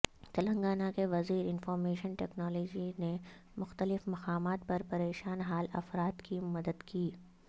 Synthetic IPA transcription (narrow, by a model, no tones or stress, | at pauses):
t̪ɐlə̃ŋɡaːnakeʋɐziːɾɪnfɔːɾmeːʃənʈɛːknɔːlɔːd͡ʒine | mʊxt̪əlɪfmɐqaːmaːt̪pɐɾpɐɾeːʃaːnɦaːlɐ̰fɾaːt̪kimɐd̪əd̪kiː